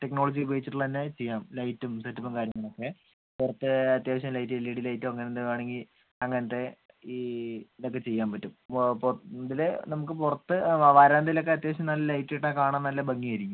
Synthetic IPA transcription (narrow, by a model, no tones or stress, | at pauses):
ʈeknoːɭɐd͡ʑibeːt͡ɕːiʈːuɭːɐt̪inːe̞t͡ɕe̞jːaːmlɐjtːumsɐtːɐpːɐmkaːɾjɐŋːɐɭokːe̞ | purɐt̪ːɨɐt̪ːjaːʋɐɕ̬ɐmlɐjt̬ːiilːiɽilɐjtːumɐŋːɐneneʋaːɳe̞ŋɡil | ɐŋːɐnɐt̪ːe̞ | id̪okːe̞t͡ɕe̞jːaːmpɐtːumpnd̪ilenɐmukːɨpurɐt̪ːɨʋɐɾaːnd̪ilokːe̞ɐt̪̬jaːʋɐɕɐmnɐlːɐlɐjtːiiʈːakaːɳanːnɐlːɐbɐŋːijɐɾikʲːum